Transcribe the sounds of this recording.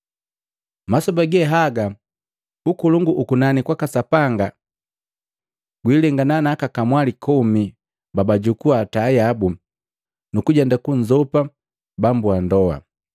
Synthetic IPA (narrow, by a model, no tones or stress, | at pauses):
masɔbaɡɛɦaɡa | ukuluŋɡuʔːkunanikwakasapaŋɡa | ɡ̥wilɛŋɡananakakamwalikʰɔmi | babaɟukuatajabu | nukuɟɛndakuɲd͡ʒɔpa | bambuandɔa̰